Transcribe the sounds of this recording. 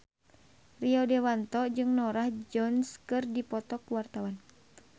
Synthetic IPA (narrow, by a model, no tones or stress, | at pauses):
riɔdɛwant̪ɔd͡ʒɨŋnɔɾahd͡ʒɔnskɨrdipɔt̪ɔkuwart̪awan